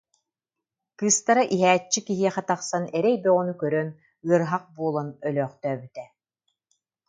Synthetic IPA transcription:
kɯːst̪aɾaʔiɦæːt͡ɕːikiɦiɛχɛt̪aχsanɛɾɛjbɛɔnukœɾœn | ɯɐɾɦaq̚buɔːlˠanœlœːχt̪œːbyt̪ɛ

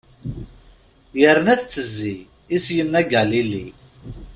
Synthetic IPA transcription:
jəɾənæθt͡sːəzːi | isjənːæɡælilːḭ

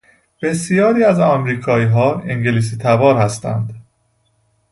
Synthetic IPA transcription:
b̥e̞sijɒːɾiːæzɒmɾiːkʰɒːiːɦɒːeŋɟelis̬iːt̪ʰævɒːɾhæst̪æ̰nd̪

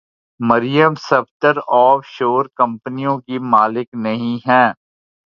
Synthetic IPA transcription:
mɐɾɪjəmsɐpt̪əɾɔːfʃoːɾkɐ̃mpənijõkimaːlɪknɐɦĩɦɛ̃ː

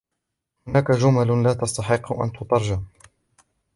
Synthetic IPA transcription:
hʊnaːkad͡ʒʊmallaːt̪ɑst̪ɑħɪqːʊʔa̰nt̪ʊt̪ˤɑɾˤd͡ʒa

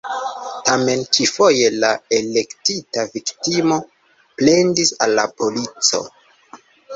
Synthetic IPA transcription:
tame̞nt͡ʃifo̞je̞lae̞le̞ktitaviktimo̞ | ple̞ndisa̰lːapo̞lit͡so̞̰

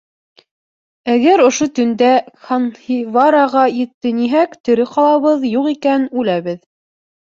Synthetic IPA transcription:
æɡæɾŏʃot̪ɵ̆nd̪æχanhivaɾaʁɑjɘ̆t̪ːɘniɦækt̪ɘ̆ɾɘqɑlˠɑβɤðjuqikænʉlæβɘð

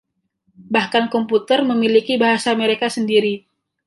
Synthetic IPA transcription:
bahkankɔmput̪ərməmilikibaɦasaməɾekasəndiɾi

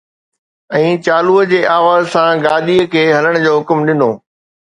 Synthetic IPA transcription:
ɛ̃ːt͡ɕaːluəd͡ʑeːʔaːʋaːzsãɡaːd̪iəkʰeːɦɐləɽ̃d͡ʑoːɦʊkmɗɪnoː

